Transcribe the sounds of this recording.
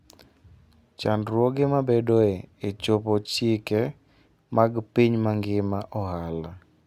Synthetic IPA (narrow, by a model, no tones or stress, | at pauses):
t͡ʃandɾwɔɡɪmabedoeet͡ʃopɔt͡ʃɪkɛ | maɡpiɲmaŋɡɪmaʔɔhala